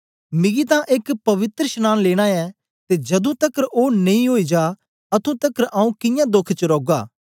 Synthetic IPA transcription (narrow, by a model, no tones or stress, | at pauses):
mɪɡit̪ãʔekpɐʋɪt̪ɾəʃnaːnleːɽ̃aɛ | t̪ed͡ʒɐd̪ũt̪ɐkɾoːnɐĩɦoːid͡ʒaː | ɐt̪ʰũt̪ɐkɾʔaːũkɪ̃jãd̪ʊkʰt͡ʃəɾoːɡaː